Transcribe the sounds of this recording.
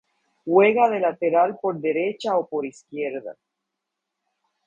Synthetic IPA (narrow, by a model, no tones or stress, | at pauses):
xwe̞ɣaðe̞lat̪e̞ɾalpo̞ɾðe̞ɾet͡ʃaopo̞ɾiskjeɾða̰